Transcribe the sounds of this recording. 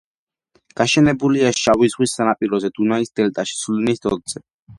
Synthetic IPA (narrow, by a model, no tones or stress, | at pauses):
ɡ̥aʃɛnɛbuliaʃawizʁwisːanapʼiɾɔzɛd̪̥unaisd̪̥ɛlt̪ʼaʃi̥sulnisd̪ɔld̪z̥ɛ